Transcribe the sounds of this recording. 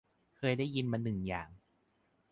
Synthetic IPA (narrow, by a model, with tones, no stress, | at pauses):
kʰɤː˧jdaː˥˩jːi˧nma˧nːɯ˨˩ŋjaː˨˩ŋ